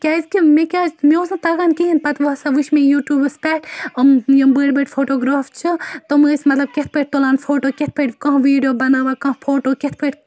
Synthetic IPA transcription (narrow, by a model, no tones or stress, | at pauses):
kʲaːzkimẽkʲaːzmeoːsɐ̃t̪ɐɡaːnkiɦinpɐt̪ʋosaʋuʃmẽjuːʈjuːbɨspʲɛːʈɐmjɐmbəːɽbeʈfʰoːʈoːɡɾaːft͡ʃʰɨt̪omɨsʲmɐt̪lɐb̚kʲet̪̚ʰpʰəʈ̚ʲt̪olaːnfʰoːʈoːket̪̚ʰpʰeʈkɐ̃ɦʋiːɖijoːbɐnaːʋakɐ̃fʰoːʈoːket̪ʰpʰəʈʲ